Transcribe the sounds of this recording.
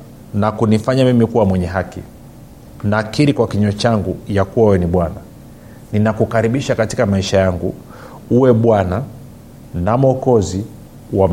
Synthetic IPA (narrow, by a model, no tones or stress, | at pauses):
nakunifaɲamimikuwamwɛɲɛɦaki | nakiɾikwakiɲɔt͡ʃaŋɡujakuwawɛniɓwana | ninakukaɾiɓiʃakati̥kamaiʃajaŋɡṵ | uwɛɓwana | namɔkɔzi | wam